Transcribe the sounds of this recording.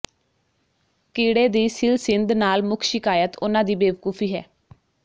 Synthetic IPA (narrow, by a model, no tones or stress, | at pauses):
kiːɽeːd̪iːsɪlsɪnd̪naːlmʊkʰʃɪkaːjət̪ʊnãːd̪iːbeːʋkuːpʰiːɦɛ̰ː